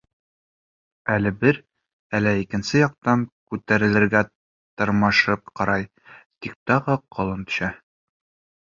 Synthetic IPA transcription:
ælɘbɘɾ | ælæikɘ̆nsɘjɒq̚t̪ɑŋkʉt̪æɾɘ̆lɘ̆ɾɡæ | t̪ŏɾmɤʃɤp̚qɒɾɑj | t̪ik̚t̪ɒʁɤqʰŏlˠɤnt̪ɵ̥̆ɕæ

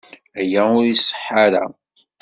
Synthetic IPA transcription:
æjæʊɾisˤːə̥ħːaɾa̰

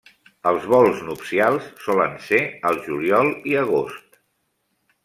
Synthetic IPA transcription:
əlˠzβɔlˠznupsialˠsːɔlənseəlˠʒuljɔlˠiəɣ̞ost̪

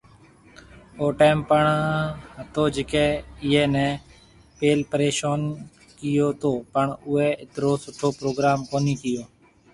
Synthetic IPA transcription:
oːʈeːmpəɳɦət̪oːd͡ʒɪkɛ̃ːɪɦẽːnɛ̃ː | peːlpəɾeːʃoːn | kɪjoːt̪oːpəɳʊɦeːɪt̪ɾoːsʊʈʰoːpɾoːɡɾaːmkoːniːkɪjoː

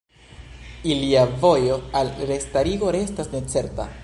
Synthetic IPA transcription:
iliavo̞jo̞alɾe̞staɾiɡo̞ɾe̞stasne̞t͡se̞ɾta̰

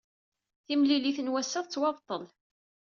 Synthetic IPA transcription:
θimliliθənwæsːəðˤt͡sːwɑvt̪ˤːəl

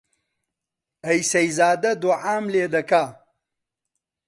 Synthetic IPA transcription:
ɐjsɐjzaːd̪ɐd̪oʕaːmleːd̪ɐkaː

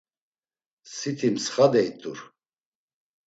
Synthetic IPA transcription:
sit̪ʰimsχad̪ɛit̪ʼuɾ

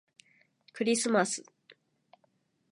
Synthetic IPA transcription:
kɯ̟ɾʲisɨmasɨ̥

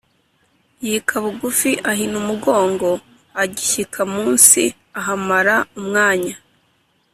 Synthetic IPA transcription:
jikʰaβuɡufiʔaɦinumuɡo̞ːŋɡo̞ | aɟiçikʰamuːnsi | aɦamaɾaumŋaːɲa

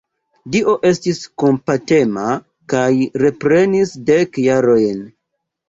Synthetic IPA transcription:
diʔo̞ʔe̞stisko̞mpate̞ma | kajɾe̞pɾe̞nisde̞kjaɾo̞jn

